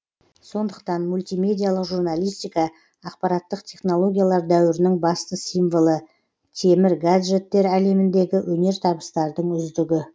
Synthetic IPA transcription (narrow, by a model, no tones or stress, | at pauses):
so̞nd̪əq̚t̪ɑnmulʲt̪ijme̞d̪ʲijalˠəqʒuɾnalˠijst̪ʲijkɑː | q̚pɑɾɑt̪ːəqt̪ʰe̞χno̞lˠo̞ɡʲijalˠɑɾd̪æwɪɾɪnɪŋbɑst̪əsijmvolˠə | t̪ʰe̞mɪɾɡad̪ʒe̞t̪ːe̞ɾæle̞mɪnd̪e̞ɡʲɪwʔɵne̞ɾt̪ʰɑbəst̪ɑɾd̪əɴʏzd̪ɪɡʲɪ